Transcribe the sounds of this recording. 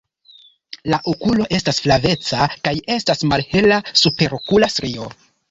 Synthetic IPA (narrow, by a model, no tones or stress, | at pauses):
laʔokulo̞ʔe̞stasflave̞t͡sakaje̞stasmalhe̞lasupe̞ɾo̞kulastɾio̞